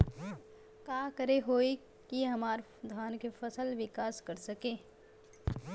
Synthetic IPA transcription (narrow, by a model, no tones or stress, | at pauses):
kaːkəɾeɦoːi | kiɦɐmaːɾ | d̪ʱaːnkefɐsəlʋɪkaːskɐɾsɐkẽː